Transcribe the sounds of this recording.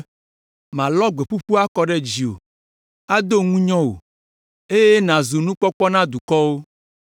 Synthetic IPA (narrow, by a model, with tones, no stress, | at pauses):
mã˨lɔ˦ɡ͡be˨ɸu˦ɸu˦a˦kɔ˦ɖɛ˦d͡ʑi˨o̰˨ | a˦d̪o˦ŋũ˦ɲɔ̃˦wo̰˨ | e˦je˦nã˨zu˨nũ˦k͡pɔ˦k͡pɔ˦nã˦d̪u˨kɔ˦wo˦